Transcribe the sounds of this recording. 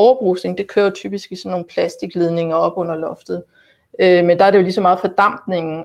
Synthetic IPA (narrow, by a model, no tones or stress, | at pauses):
ɒʊɐb̥ʁusne̝ŋd̥e̝kʰø̰ːɐt͡sʰyːb̥isɡ̥isɒ̽nːo̝ːn̩pʰlæsd̥iɡ̥leðˠne̝ŋɐɒ̽b̥ɔ̽n̰ɐlɒ̽fd̥ð̩ˠ | ømend̥ɑæɐɾejo̝lisɒ̽mɑ̈ːð̩ˠfɒ̽d̥ɑ̈m̰d̥ne̝ŋn̩